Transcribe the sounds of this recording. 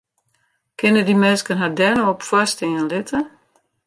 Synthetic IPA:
kʰɪnədimɛːskənɦadɛnəɔpfwɔstɪŋənlɪtʰə

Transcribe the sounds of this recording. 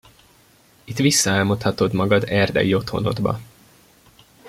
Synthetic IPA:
it̪ʋisːɒaːlmot̪hɒt̪o̞d̪mɒɡɒd̪ɛrd̪ɛ̰jio̞t̪ho̞̰no̞̰d̪bɒ̰

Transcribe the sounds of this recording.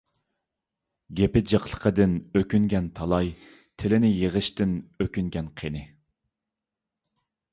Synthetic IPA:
ɡʲepɪd͡ʒɑqlˠə̥qʰəd̪ɪnøkʲyŋɡʲɛnt̪ʰɑlˠɑj | t̪ʰɪlɪnɪjeʁəʃt̪ɪnøkʲyŋɡʲɛnqʰenɪ

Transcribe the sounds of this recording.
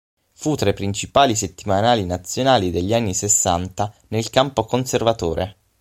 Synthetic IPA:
fut̪ːɾepːɾint͡ʃipaːlis̬et̪ːimanaːlinat̪sːjonaːlid̪eʎːanːisesːa̰nt̪a | nelkampokonservat̪oːɾʔe

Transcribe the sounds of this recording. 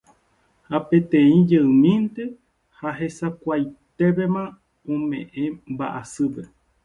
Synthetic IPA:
hapẽ̞t̪ẽĩd͡ʒeɨ̃mĩnt̪e̞ | haɦesakʷajt̪e̞pe̞mã | õmẽʔẽmba̰ʔasɨpe

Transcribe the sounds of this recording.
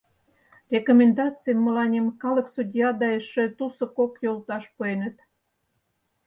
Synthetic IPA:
rʲekomʲend̪ɑt͡sɨjəmːə̆lɑnʲemkɑlə̆ksud̪ʲjɑd̪ɑeʃĕt̪usŏkokjolt̪ɑʃpuenə̆t̪

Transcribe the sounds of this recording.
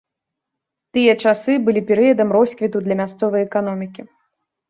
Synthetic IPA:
t̪ɨjɐt͡ʂasɨbɨlʲipʲɛɾɨjɐd̪ɐmrɔsʲkvʲit̪ud̪lʲɐmʲast̪sɔvɐjɛkan̪ɔmʲikʲi

